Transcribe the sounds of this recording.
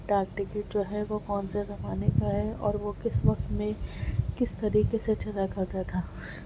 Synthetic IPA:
ʈaːkʈɪkɪʈ̚d͡ʒoːɦɛʋokɔːnsezɐmaːnekaɦɛɔːɾʋokɪsʋɐq̚t̪mẽkɪst̪ɐɾiːkeset͡ʃɐlakɐt̪ɐt̪ʰaː

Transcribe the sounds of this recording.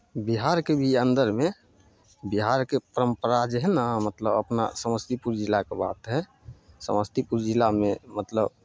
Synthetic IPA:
biɦaɾkebʱiə̃nd̪əɾme | biɦaɾkepəɾəmpəɾad͡ʒɛɦnãmət̪ləbə̰pna̰səməst̪ʰipuɾd͡ʒilakeba̰t̪ɦɛ | sə̰məst̪ʰipuɾd͡ʒilamemət̪lə̰b

